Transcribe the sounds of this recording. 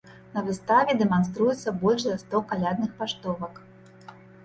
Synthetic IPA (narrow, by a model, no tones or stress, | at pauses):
nɐvɨst̪avʲɛd̪ɛmanst̪ɾujɛt̪sːɐbɔlʲʂzɐst̪ɔkalʲad̪nɨxpaʂt̪ɔvɐk